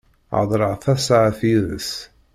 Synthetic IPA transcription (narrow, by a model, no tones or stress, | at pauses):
ʕ̰ðˤɾˤəʁθæsʕθiðə̰s